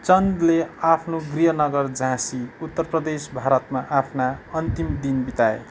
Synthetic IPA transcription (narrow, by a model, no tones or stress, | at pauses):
t͡sʌnd̪leapʰnoɡriɦʌnʌɡʌrd͡zãsiut̪ːʌrprʌd̪esbʱaɾʌt̪maʔapʰnaʌnt̪imd̪inbit̪aḛ